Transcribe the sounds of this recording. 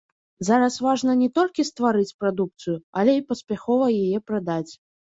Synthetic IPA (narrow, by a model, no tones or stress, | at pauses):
zaɾɐsvaʐnɐnʲɛt̪ɔlʲkʲist̪vaɾɨt͡sʲpɾad̪uk̚t̪sɨjualʲɛipɐsʲpʲaxɔvɐjajɛpɾad̪at͡sʲ